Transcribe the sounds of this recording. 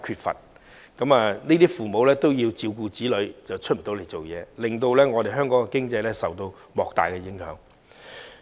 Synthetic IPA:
kʰyː˧t̚fɐ̰˨t̚ | kɐ˨˧˥maː˨˧neː˥t̪iː˥fuː˨mo˨˧wlɛː˥t̪o˥wji˧wt͡siː˧wk̬uː˧t͡siː˨˥lɵ˨˧ɥt͡sɐ˨wt͡ʃʰɵ˥t̚m̩˨˩t̪o˨˥wle˨˩jt͡so˨wjɛ̰ː˨˧lɪ˨˩ŋt̪o˧wlɛː˥ŋɔː˨˧e˨˩ɦœː˥ŋkɔː˨˥ŋkɛ˧kɪ˥ŋt͡sɐ˧jlɛː˥sɐ˨˩wt̪o˧w | mɔː˨k̚t̪a̰ː˨jkɛ˧jɪ˨˥ŋhœː˨˥ŋ

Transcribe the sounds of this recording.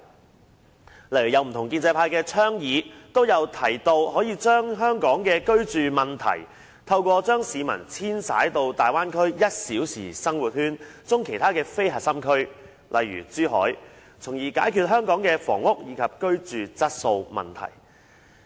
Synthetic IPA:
lɐ˨˩jyː˨˩jɐ˨˧wm̩˨˩t̪ʊ˨˩ŋki˧nt͡sɛ˧pʰaː˧jkɛː˧t͡ʃʰœː˥ŋjiː˨˧t̪o˥wjɐ˨˧wt̪ʰɐ˨˩jt̪o˧whɔː˨˥jiː˨˧t͡ʃœː˥ŋɦœː˥ŋkɔː˨˥ŋkɛː˧kɵ˥ɥt͡ʃyː˨mɐ˨nt̪ʰɐ̰˨˩j | t̪ʰɐ˧wkʷɔː˧t͡ʃœː˥ŋsiː˨˧mɐ̰˨˩nt͡sʰiː˥nsa̰ː˨˥jt̪o˧wt̪aː˨˩jwaː˥nkʰɵ˥ɥjɐ˥t̚siː˨˥wsḭː˨˩sɐ˥ŋwuː˨t̚hyː˥nt͡sʊ˥ŋkʰe˨˩jt̪ʰaː˥kɛː˧fe˥jɦɐ˨t̚sɐ˥mkʰɵ˥ɥ | lʔɐ˨jɥy̰ː˨˩t͡syː˥ɦɔ̰ː˨˥j | t͡sʰʊ˨˩ŋjiː˨kaː˨˥jkʰyː˨˧t̚ɦœː˥ŋkɔː˨˥ŋkɛː˧fɔ̰ː˨˩ŋʊ˥k̚jiː˨˧kʰɐ˨p̚kɵ˥ɥt͡ʃyː˨t͡sɐ˥t̚so˧wmɐ̰˨nt̪ʰɐ̰˨˩j

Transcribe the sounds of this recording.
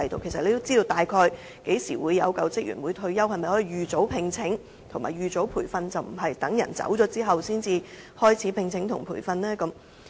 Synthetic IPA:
ɐ˨jt̪o˨wkʰe˨˩sɐ˨tle˨˧t̪o˥wt͡siː˥t̪o˧wt̪aː˨jkʰɔː˧j | ke˨˧˥jsiː˨˩wuː˨˧jːɐ˨˧wkɐ˧wt͡sɪ˥k̚jy̰ː˨˩nwuː˨˧jt̪ʰɵ˧ɥjɐ˥whɐ˨jmɐ˨jhɔː˨˥jiː˨˩jyː˨t͡so˨˥wpʰɪ˧ŋt͡sʰɪ˨˥ŋ | t̪ʰʊ˨˩ŋma̰ː˨˩jɥyː˨t͡so˨˥wpʰuː˨˩jfɐ˧nt͡sɐ˨wm̩˨˩ɦɐ˨jt̪ɐ˨˥ŋjɐ̰˨˩nt͡sɐ̰˨˥wt͡sɔː˨˥t͡siː˥ɦɐ˨wsiː˥nt͡siː˨˧ | hɔː˥jt͡sʰiː˨˥pʰɪ˧ŋt͡sʰɪ˨˥ŋt̪ʰʊ˨˩ŋpʰuː˨˩jfɐ˧nlɛː˥kɐ˨˥m

